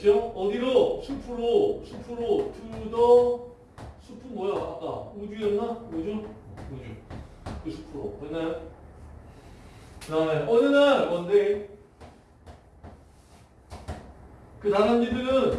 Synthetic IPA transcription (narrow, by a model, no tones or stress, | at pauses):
t͡ɕoʌɡiɾosʰupʰuɾosʰupʰuɾotudʌ | sʰupʰunmʌjoa̰k͈aud͡ʑujʌnnaud͡ʑuud͡ʑu | kɯsʰu̥pʰuɾoʌenaɭ | kɯɾaneʌd͡ʑenaɭmʌnde | kɯɾananːidɯnɯn